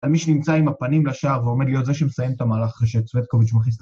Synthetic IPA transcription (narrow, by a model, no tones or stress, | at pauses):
almiʃenimt͡saimapanimlaʃaːʁveo̞me̞d̪lijot̪zeʃ̬emesajemt̪amaːlaχχaʃet͡svet̪̚koviʃmaχis̬t̪